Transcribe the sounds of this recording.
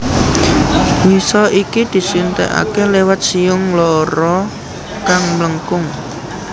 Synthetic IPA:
wisɔʔikid̪̥i̤sunt̪ɛ̰ʔa̰kelewat̪̚siʊŋlɔɾɔ | kaŋmləŋkʊŋ

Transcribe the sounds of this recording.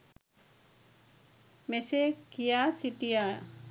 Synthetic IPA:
mesekijaːsiʈ̪ija

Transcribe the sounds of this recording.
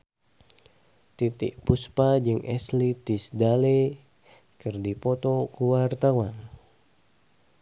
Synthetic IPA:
t̪it̪ḭʔpuspad͡ʒɨŋɛslit̪isdale | kɨrdipɔt̪ɔkuwart̪awan

